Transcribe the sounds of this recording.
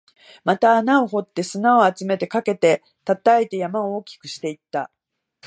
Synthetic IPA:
mat̪aːnaoɦo̞t̪ːe̞sɨnao̞at͡sɨme̞t̪e̞kake̞t̪e̞ | t̪at̪aet̪e̞jamaooːkʲi̥kɯ̟ɕi̥t̪e̞it̪ːa̰

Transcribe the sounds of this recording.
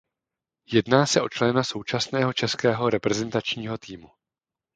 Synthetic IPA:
jɛdnaːsɛʔo̞t͡ʃlɛnaso̞wt͡ʃasnɛːɦo̞t͡ʃɛskɛːɦo̞ɾɛpɾɛzɛnt̪at͡ʃɲiːɦo̞t̪iːmu

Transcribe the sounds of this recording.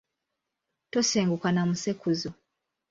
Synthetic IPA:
toseːŋɡukanamusekuzo

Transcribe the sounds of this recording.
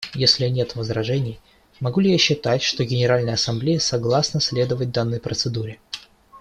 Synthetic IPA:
jesʲlʲɪnʲe̞t̪vəzɾɐʐɛnʲɪj | mɐɡulʲɪjaɕːɪt̪atʲʂt̪o̞ɡʲɪnʲɪɾalʲnəjəɐsɐmblʲejəsɐɡlˠasnəsʲlʲe̞d̪əvət̚ʲd̪anːəjpɾət̪sɨd̪uɾʲɪ

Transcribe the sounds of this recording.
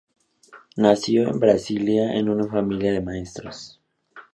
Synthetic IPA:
nasjo̞e̞̰mbɾasiljaʔḛnunafamiljaðe̞mae̞st̪ɾos

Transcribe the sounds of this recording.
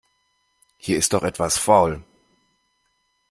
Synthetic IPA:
hiːɐɪst̚d̥ɔχʔɛtv̥asfaʊl

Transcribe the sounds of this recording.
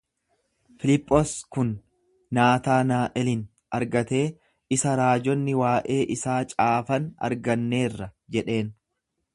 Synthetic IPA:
fɪlɪpʼːɔskʊnː | aːt̪aːnaːʔɛlɪn | ɐɾɡɐt̪e̞ː | ɪsɐɾaːd͡ʒɔnːɪwaːʔe̞ːʔɪsaːt͡ʃʼaːfɐnɐ̰ɾɡɐnːe̞ːrːɐd͡ʒɛᶑe̞ːn

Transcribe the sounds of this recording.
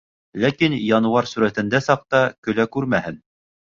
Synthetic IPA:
lækinjɑnɤ̆wɑɾsuɾæt̪ɘ̆nd̪æsɑq̚t̪ɑkɵ̆lækʉɾmæhɘn

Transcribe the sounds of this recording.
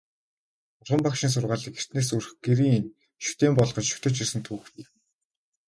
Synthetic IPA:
ʊrχə̆mpakʃɪ̆ns̬ʊrʁaːɮiker̥t̪neːsurxɡeɾiːŋn | ʃʊ̥xt̪eːmpɔɮχɞ̆t͡ɕʃʊ̥xt̪ɘ̆t͡ɕirsɘ̆nt̪ʰuːxiw

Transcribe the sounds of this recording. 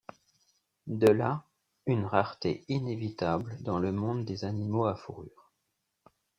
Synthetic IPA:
d̪əla | ynʁaʁt̪einevit̪abld̪ɑ̃ləmɔ̃d̪d̪ezanimoafuʁyːʁ

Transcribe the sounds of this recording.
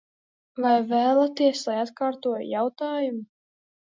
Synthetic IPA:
vajvæːlˠat̪iɛslˠajat̪kaːɾt̪uɔjjawt̪aːjumu

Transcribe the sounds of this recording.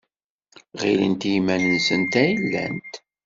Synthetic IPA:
ʁilənt̪jmænənsənt̪æjilːæ̰nt̪

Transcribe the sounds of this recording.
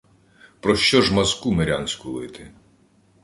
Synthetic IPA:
pɾɔʃt͡ʃɔʒmɐzkumeɾʲanʲsʲkʊlˠɪt̪ɪ

